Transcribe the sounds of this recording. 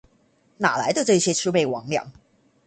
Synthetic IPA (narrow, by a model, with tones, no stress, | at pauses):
na˨˩la˧˥ɪd̪ə˧ʈ͡ʂɤ˥˧i˧ɕjɛ˥ʈ͡ʂʰɻu˥me˥˩ɪwɑ̰˧˥˦ŋljɑ̰˨˩˦ŋ